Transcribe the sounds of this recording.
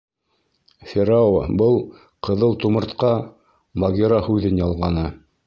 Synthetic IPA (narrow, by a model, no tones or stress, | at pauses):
fʲeɾaw̰bɤlˠ | qɤ̆ðɤlˠt̪umɤ̆ɾt̪qɑ | mɐɡʲeɾahʉðɘnjɑlˠʁɑnɤ